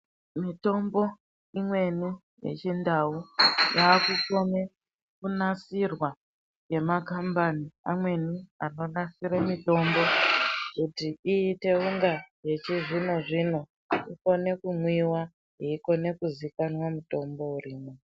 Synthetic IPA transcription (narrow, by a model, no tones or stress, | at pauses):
mito̞mbo̞ | imwe̞ni | je̞̰t͡ʃindaujaːkuko̞ne̞ | kunasirwa | je̞makambaniamwe̞nia̰no̞nasiɾemito̞mbo̞kutiiːte̞uŋɡaje̞t͡ʃiʐino̞ʐino̞ | iko̞ne̞kumwiwa | ɦiiko̞ne̞kuzikanwamuto̞mbo̞uriːmo